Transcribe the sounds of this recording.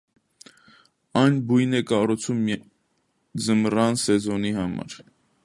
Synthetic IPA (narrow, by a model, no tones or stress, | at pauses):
ɑjnbujnɛkɑrut͡sʰum | d͡zəmrɑnsɛzɔniɦɑmɑ̰ɾ